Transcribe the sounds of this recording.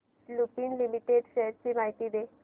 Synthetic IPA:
lupiːnlimiʈeɖɕəɦɾt͡ɕiːmaɦit̪iːd̪e

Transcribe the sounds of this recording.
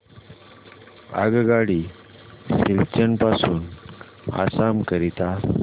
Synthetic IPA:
a̰ɡɡaɽi | ɕilt͡ɕənpasuːn | a̰samkəɾit̪a

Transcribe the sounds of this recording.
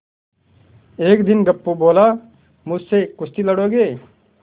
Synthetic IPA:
eːkd̪ɪnɡɐpːuboːla | mʊd͡ʒsekʊst̪iləɽoːɡeː

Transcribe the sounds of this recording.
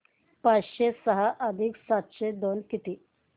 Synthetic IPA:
pat͡sɕesəɦaʔəd̪ʱiksat̪ɕed̪onkit̪iː

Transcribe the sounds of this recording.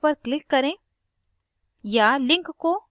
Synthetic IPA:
pəɾklɪkːɐɾẽ | jalɪ̃ŋkːo

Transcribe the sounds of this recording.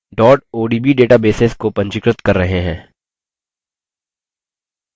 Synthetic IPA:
ɖɔːʈoːɖiːbiːɖeːʈabeːseskopɐ̃ɲt͡ʃɪkɾət̪kɐɾːɐɦeɦɛ̃ː

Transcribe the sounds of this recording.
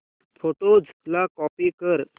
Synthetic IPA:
foʈod͡zʱlakɔpikəɾ

